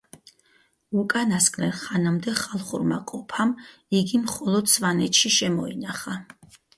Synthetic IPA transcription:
ukʼanaskʼnɛɾχanamd̪ɛχalˠχṵɾma̰kʼɔpʰamiɡimχɔlˠɔd̪sʰvanɛt̪ʃiʃɛmɔinaχa

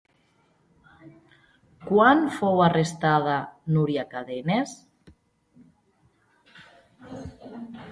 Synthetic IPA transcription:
kwanfowarest̪að̞anuɾiakaðenes

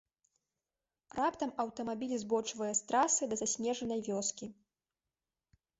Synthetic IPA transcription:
rapt̪ɐmɐwt̪ɐmabʲilʲzbɔt͡ʂvɐjɐst̪ɾasɨd̪ɐzasʲnʲɛʐɐnɐjvʲɔskʲi

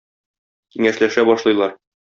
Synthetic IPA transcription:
kiŋæʃlæʃæbɒʃlˠɤ̆jlˠɑɾ

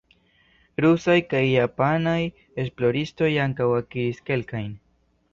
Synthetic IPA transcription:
ɾusajkajːapanaj | esplo̞ɾist̪o̞jaŋkawakiiske̞lkajn

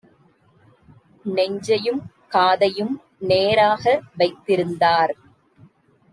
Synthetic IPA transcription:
nɛɲd͡ʒɐjɯm | kaːðɐjɯm | neːɾaːɣɐʋɐɪt̪ːɪɾɯnd̪aːɾ

